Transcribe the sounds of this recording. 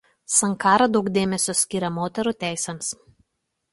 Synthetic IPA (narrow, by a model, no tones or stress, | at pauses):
sɐŋkɑːɾɐd̪ɒʊkd̪ʲeːmʲɛsʲosʲkʲiːɾʲɛmoːt̪ʲɛɾuːˑt̪ʲæˑɪsʲɛms